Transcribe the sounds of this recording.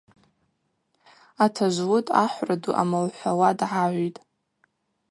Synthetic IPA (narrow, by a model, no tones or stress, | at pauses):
atʰaʒʷwʊtʼaħʷraduʔa̰malħʷawadʕaʕʷitʼ